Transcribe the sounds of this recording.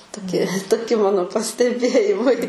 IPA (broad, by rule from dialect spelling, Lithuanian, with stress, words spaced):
toːˈkʲɪ toːˈkʲɪ ˈmɑːnoː pɐsʲtʲɛˈbʲeːjɪmɐɪ